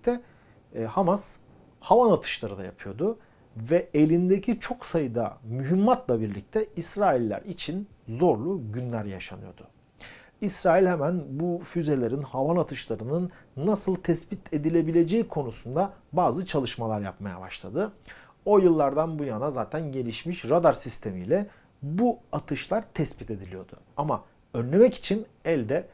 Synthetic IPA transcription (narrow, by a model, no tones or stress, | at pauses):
ict̪ʰɛ | hamas | havanat̪ʰɯ̥ʃlˠaɾɯd̪a̰ja̰pʰɯjo̞d̪ʊ | vɛelʲind̪ecʰit͡ʃʰo̞ksajɯd̪a̰myɦymːat̪lˠabiɾlʲic̚t̪ʰɛisɾaːilʲːæ̰ɾit͡ʃʰin | zo̞ɾlˠuɟynlʲæɾja̰ʃa̰nɯjo̞̰d̪ʊ | isɾaːilʲhɛmænbufyze̞lʲe̞ɾinhavanat̪ʰɯʃlˠaɾɯnɯnːasɯlˠt̪ʰɛspit̪ʰe̞d̪ilʲe̞bilʲe̞d͡ʒeikʰo̞nusund̪abaːzɯt͡ʃʰalˠɯʃmalˠaɾjapmaja̰ba̰ʃlˠa̰d̪ɯ | o̞jɯlˠːaɾd̪anbujanazaːt̪ʰænɟe̞lʲiʃmiʃɾad̪aɾsist̪ʰe̞mḭlʲɛ | buat̪ʰɯʃlˠaɾt̪ʰɛspit̪ʰe̞d̪ilʲijo̞̰d̪ʊ̰ama | ønlʲe̞mɛci̥t͡ʃʰinɛlʲd̪ɛ